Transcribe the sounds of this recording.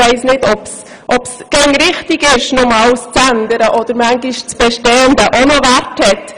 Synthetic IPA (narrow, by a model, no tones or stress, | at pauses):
ɛɪsnɪtɔps | ʔɔpsɡ̥æŋɾɪχtɪɡɪʃnʊmɑːlst͡sændəɾəʔɔd̥̪əɾmæŋɡɪʃt͡sb̥ɛʃtɛːənd̪əʔonəvæɾthɛt